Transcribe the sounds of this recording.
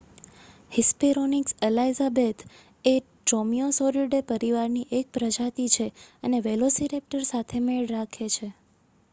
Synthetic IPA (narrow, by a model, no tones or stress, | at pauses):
hispeɾonikselajzabet̪ | e | ʈomiosoɾiɖepəɾiʋaɾniʔek̚pɾəd͡ʒat̪it͡ʃʰeəneʋelosiɾep̚ʈəɾsat̪ʰemeɭɾakʰet͡ʃʰe